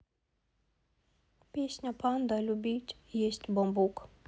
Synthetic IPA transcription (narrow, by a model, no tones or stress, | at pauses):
pʲesʲnʲapand̪alʲubʲitʲ | jɛst̪ʲbɔmbuk